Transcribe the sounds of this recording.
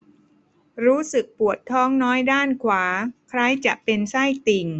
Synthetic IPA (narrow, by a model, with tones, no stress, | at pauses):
ɾuː˦˥sɯ˨˩k̚pu˨˩ət̪ʰːɔː˦˥ŋnɔː˦˥jdaː˥˩nkʰwaː˩˦kʰɾa˧˥jt͡ɕa˨˩ʔpe˧nsa˥˩jt̪i˨˩ŋ